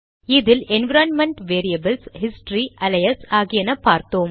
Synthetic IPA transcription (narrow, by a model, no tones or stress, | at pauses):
ɪðɪlɛnʋɪɾɐːnmɐɳʈʋeːɾijɐbɐlshɪsʈɾiʔɐlɐjɐsaːɣɪjɐnɐpːaːɾt̪oːm